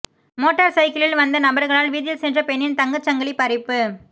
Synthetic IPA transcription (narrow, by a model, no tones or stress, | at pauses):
moːʈːɐɾsɐɪkɪlɪlʋɐnd̪ɐnɐbɐɾɣɐɭaːlʋiːðɪjɪlsɛndrɐpɛɳːɪnt̪ɐŋɡɐt͡ʃːɐŋɡɐɭipːɐɾɪpːɯ